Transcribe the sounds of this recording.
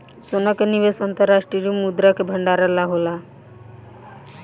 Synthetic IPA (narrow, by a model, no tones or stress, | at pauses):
sonakenibesɔnt̪ɔɾːaʃʈɾiɾimud̪ɾakebʱəɳɖaɾalaɦola